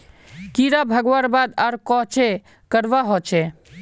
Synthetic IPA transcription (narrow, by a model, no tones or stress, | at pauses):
kiɾabʱəɡʋaːɾbaːd̪aɾkɔt͡ʃʰe | kəɾʋaɦɔt͡ʃʰe